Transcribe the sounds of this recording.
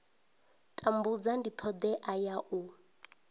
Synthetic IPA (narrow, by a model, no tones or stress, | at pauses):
tʼambud͡zandit̪ʰɔd̪ɛʔajaʔu